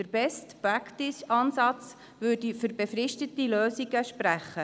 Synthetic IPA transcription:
əɾbɛstpɾɑktɪsɑːnsɑt͡s | ʋʉːdifʏɾbefɾɪʃtətiløːsiɡəʃpɾæχːə

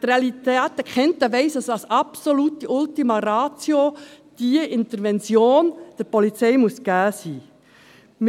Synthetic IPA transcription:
tɾeɑlit̪æːtːəkχɛntəʋɛɪsɑsɑsɑpsoluːtːiʔʊltimɑɾɑːt͡sjo | d̥iəʔɪnt̪əɾvɛnt͡sjoːnd̥əɾpɔlit͡sɛɪmuəsɡ̥æːsiː | m

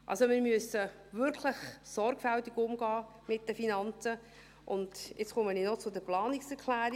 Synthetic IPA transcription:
ʔɑ̰lsomɪːɾmyəsə | vʏɾkʰləχsɔɾɡ̥fæltiɡʊmɡɑː | mɪt̚d̥əfinɑnt͡sə | ʔʊnd̥jʔɪt͡sχʊməninɔt͡sʊdəplɑːnɪksɛɾkʰlæːɾi

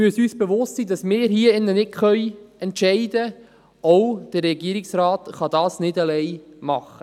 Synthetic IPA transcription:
myəsyːsb̥eʋʊstsiːdɑsmɪːɾɦiəɪnːənɪkχœjɛntʃɛɪdə | ɔwd̥ərːɛɡiəɾɪksɾaːtχɑd̥ɑːsnɪdalɛɪmɑχːə

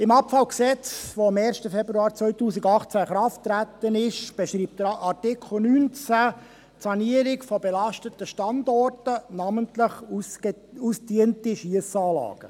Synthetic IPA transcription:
ɪmɑpfɑlksɛt͡sʋoɑmɛːɾʃtəfɛbɾuɑːɾt͡sʋœɥtuːsɪɡɑχt͡sæχɾɑftːɾæt̪ːənɪʃb̥ɛʃɾiːp̚td̥̪əɾʔɑrtɪkχl̩nyːnt͡sæ | tsɑniəɾɪkfɔbelɑʃtətəʃtɑndɔrtənɑməntləχ | ustiəntiʃiəsɑːlɑ̰ːɡ̥ə

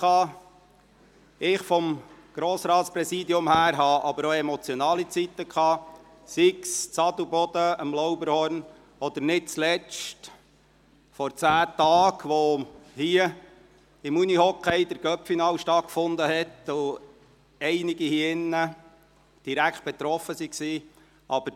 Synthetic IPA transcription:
ɑː | ɪχfɔmɡ̥ɾɔːsɾɑːt̪spɾɛsiːd̪iʊmhæːɾɦɑʔɑbəɾoɛmɔt͡sjɔnɑːlit͡sit̪ːəkʰɑː | sikst͡sɑd̪ubɔd̪̥əəmlɔʊbəɾhɔɾn | ɔd̪̥əɾnɪt̚t͡slɛt͡ʃt | fɔɾt͡sæːtɑːɡʋohiə | ɪmunihɔkʰɛɪd̪əɾɡ̥œpfinɑːlʃtɑt̚kfʊnd̪əɦɛt̪ʊ | ɛɪnɪɡihiːɪnːə | d̥iɾækχt̪̚b̥ɛt̪ɾɔfəsiksiː | ʔɑbəɾ

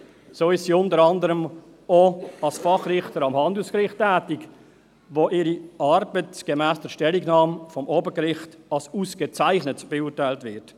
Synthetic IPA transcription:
soːɪʃsiʊntəɾɑndəɾəm | oɑlsfɑχrɪχtəɾɑmhɑndl̩skɾɪχtːæːtik | voʔɪɾiɑɾbətɡ̥emæːsd̥əʃtɛliɡnɑːmfɔmoːbəkɾɪχtɑlsuːsɡ̥ət͡saɪχnətb̥ɛʊːrtaɪltvɪɾt

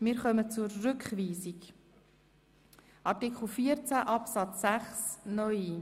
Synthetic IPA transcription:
mɪːɾχœmət͡suɾːʉkχʋiːsik | ʔɑɾtikχl̩fiːəɾt͡sæʔɑpsɑt͡sːæχsnœʏi

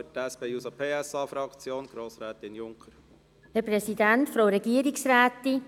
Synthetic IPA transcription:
ətæspeːusəpʰeːɛsɑːfɾɑkt͡sjoːnɡ̥ɾoːsɾɛːt̪ɪnjʊŋkʰəɾ | hɛɾprɛsidæntfɾowɾɛɡiəɾiksɾæːt̪i

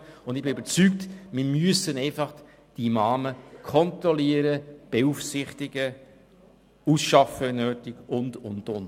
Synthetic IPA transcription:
ʊndɪbɪyb̥əɾt͡syk̚tmɪɾmyəsənɛɪfɑχ | d̥imɑːməkʰɔntɾɔliəɾəb̥eufsɪχtɪɡ̥ə | usʃɑfəɛnøːtɪɡ̥ʊndʊndʊn

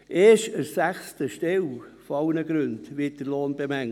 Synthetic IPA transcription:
ʔeːʃəɾsæχstəʃtewfoɑwnəɡ̥ɾɵndʋɪːt̚d̥əloːnb̥emæŋ

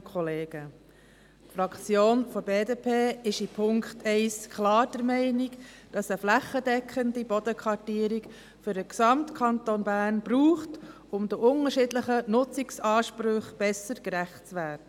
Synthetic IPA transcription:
kχɔleːɡ̥ə | tfɾɑkt͡sjoːnfɔbeːdeːpʰeːɪʃipʰʊŋkχtʰɛɪskχlɑːɾd̥əɾmɛɪnikd̥ɑsəflæχːədɛkχəndibɔd̥̪əkʰʋɑɾtiːɾik | fʏɾdəksɑmtkʰɑnt̪onbæːɾnb̥ruːχt | ʊmd̪əʔʊŋəɾʃɪːdləχənʊt͡sɪksɑːʃpɾʏχb̥ɛsəɾkɾæχtt͡sʋæːdə

